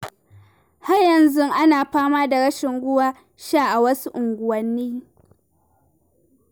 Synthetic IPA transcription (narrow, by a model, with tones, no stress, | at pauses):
ha˦rjɐ˨nzʊ˦ŋʔa˦naː˨ɸaː˦maː˦da˨ɽɐ˦ʃɪ˨ŋɡʷʊ˦waː˦ | ʃaː˦˨ʔa˨wɐ˦su˦ʔʊ˨ŋɡʷʊ˨wɐ˦nːiː˦